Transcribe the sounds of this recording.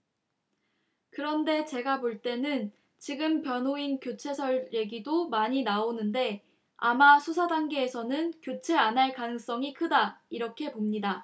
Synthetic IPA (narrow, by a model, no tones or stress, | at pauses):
kɯɾʌnde̞t͡ɕe̞ɡapoɭt͈e̞nɯn | t͡ɕiɡɯmpjʌnɦoinkjot͡ɕʰe̞sʰʌɭje̞ɡidomaɲinaonɯnde̞ | amasʰusʰadaŋɡeːsʰʌnɯnkjot͡ɕʰe̞anɦaɭkanɯŋs͈ʌŋikʰɯdaiɾʌkʰe̞pomɲida